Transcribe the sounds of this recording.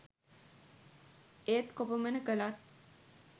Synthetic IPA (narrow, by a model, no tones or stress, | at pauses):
et̪kopəmənəkəlat̪̚